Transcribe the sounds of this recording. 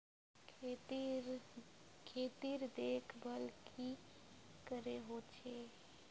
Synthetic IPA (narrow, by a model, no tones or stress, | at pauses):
kʰet̪iɾd̪ekʰbʱəlkʰi | kəɾeɦot͡ʃʰe